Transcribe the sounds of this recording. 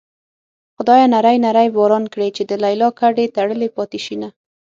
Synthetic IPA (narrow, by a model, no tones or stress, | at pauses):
xʊd̪ɑjanaɾajnaɾajbɑɾɑnkɽet͡ʃed̪əlajlɑkaɖet̪aɽəlepɑt̪iʃina